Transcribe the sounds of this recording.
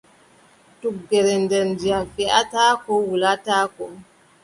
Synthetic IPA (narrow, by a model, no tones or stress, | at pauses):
tuɡːɛɾɛndɛndiafɛʔataːkɔwulataːkɔ